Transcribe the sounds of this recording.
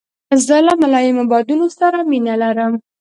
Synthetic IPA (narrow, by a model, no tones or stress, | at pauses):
zəlamalɑjɪmabɑd̪unosaɾaminalaɾəm